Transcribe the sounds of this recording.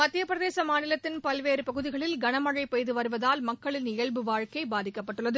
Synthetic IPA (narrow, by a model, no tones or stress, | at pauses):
mɐt̪ːɪjɐpɾɐðeːsɐmaːnɪlɐt̪ːɪnpɐlʋeːɾɯpɐɣɯðɪɣɐɭɪlɡɐɳɐmɐɻɐɪpejðɯʋɐɾɯʋɐðaːlmɐkːɐɭɪnɪjɐɭbɯʋaːɻkɐɪbaːðɪkːɐpːɐʈːɯɭːɐðɯ